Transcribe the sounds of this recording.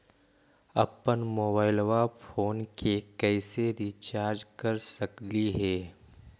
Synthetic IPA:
ɐpːənmoːbaːɪlwapʰoːnkekɛːseɾit͡ʃaːɾd͡ʒkəɾsəkliɦɛː

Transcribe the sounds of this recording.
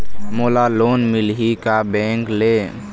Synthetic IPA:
moːlaloːnmilɦikabɛ̃ːŋkle

